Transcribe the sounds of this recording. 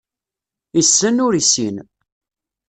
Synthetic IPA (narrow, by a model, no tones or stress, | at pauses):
isːənʊɾisḭn